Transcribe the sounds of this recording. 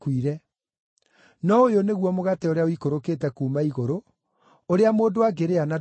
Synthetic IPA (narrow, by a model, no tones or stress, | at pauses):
kwiɾɛ | nɔojoneɣwɔmoɣateoɾeaoikoɾokeːtɛkuːmaiɣoɾo | oɾeamoːndowaɡeɾeana